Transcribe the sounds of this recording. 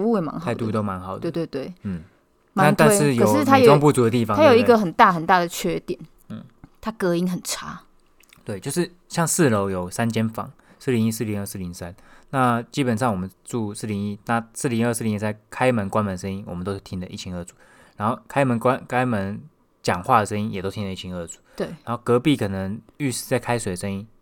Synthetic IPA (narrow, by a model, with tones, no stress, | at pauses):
u˥˩jɛ˨˩ma̰˧˦xa˥˧ɪt̪u˧˥˧t̪o˥˦ʊma˧˦nxɑ˨ʊd̪e˥˧t̪we˥˧t̪we˥˩ɪn̩˥˩ | ma˥˧t̪a˥˧ʂɻ̩˥˨jo˨˩ʂɻ̩˥˨t̪ʰa˥jʊ˥ŋpu˥˩t͡su˨˥d̪ə˦t̪i˥˩fɑ˨ŋa˥jo˨ʊi˦ɡə˨xə˨˩nt̪a˥˩xə˨˩nt̪a˥˩d̪ə˩t͡ɕʰɥɛ˥t̪jɛ˨˩˦n̩˥˩ | t̪ʰa˦kɤ˧˥i˥ŋxə˨˩nʈ͡ʂʰa˥ | t̪we˥˩ɪt͡ɕjo˥˧ʊʂɻ̩˥˩ | ɕjɑ˥˧ŋsɹ̩˥˨lo˧˥ʊjo˨˩ʊsa˦˥nt͡ɕjɛ˥nfɑ̰˨˩ŋsɹ̩˥˩li˧˥ŋi˥˧sɹ̩˥˩li˧˦ŋə˥˧s̩˥˩li˧˥ŋsa˦nna˥˨t͡ɕi˦˥pə˨˩nʂɑ˥˩ŋwɔ˨˩mə˦ʈ͡ʂu˥˧sɹ̩˥˩li˧˥ŋi˥˩na˥˧sɹ̩˥˩li˧ŋə˥˧s̩˥˩li˧˥ŋi˥˩a˥˩ɪkʰa˥˦ɪmə˧˥nkwa˥nmə˧nʂə˥ni˥ŋwɔ˨˩mə˨˦nt̪o˥ʊt̪ʰi˥ŋd̪ə˨ʔi˥˩t͡ɕʰi˧˥ŋɤ˥˩t͡su̥˨˦ | ɻa˧˥nŋxo˥˩ʊkʰa˥ɪmə˧˦nkwa˦˥nkʰa˥ɪmə˧˦n | t͡ɕjɑ˨˩ŋxwa˥˩d̪ə˩ʂə˥ŋi˥ŋjɛ˨˩t̪o˥ʊt̪ʰi˥nə˨˧i˥˩i˧˥ŋə˥˩t͡su̥˨˦t̪we˥˩ɪa˧˦xo˥˩kɤ˧˥pi˥˩kʰɤ˨˩nə˧˦ŋy˥˧˩ʂ̩˥˧t͡sa˥˩ɪkʰa˥ɪswe˨˩ɪə˨˩ʂə˥ni˦˥ŋ